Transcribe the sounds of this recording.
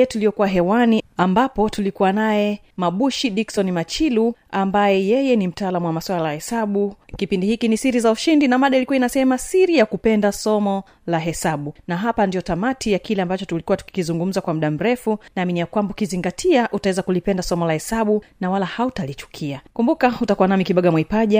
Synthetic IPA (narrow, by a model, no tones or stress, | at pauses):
ɛtulijɔkuwaɦɛwaniambapɔtulikuwanajɛ | maɓuʃiɗiksɔnimat͡ʃiluambajɛjɛjɛnim̩taaːlamuwamaswalalahɛsaɓukipindihikinisiɾizauʃindinamaɗailikuwainasɛmasiɾijakupɛndasɔmɔ | laɦɛsaɓunaɦapandiɔtamatʰijakilɛambat͡ʃɔtulikuwatu̥ki̥kizuŋɡum̩zakwam̩ɗam̩ɾɛfunaːminijakwambaukiziŋɡatʰiaʔutawɛzakulipɛndasɔmɔlahɛsaɓunawalahautalit͡ʃu̥kʰiakumbukautakuwanamikiɓaɡamwaipaʄa